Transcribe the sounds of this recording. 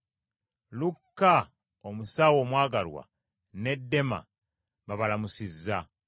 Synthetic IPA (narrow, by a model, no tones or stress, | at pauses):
lukːa | omusaːwo̞ːmwaːɡalwa̰ | ne̞dːe̞ma̰ | βaβalamusizːa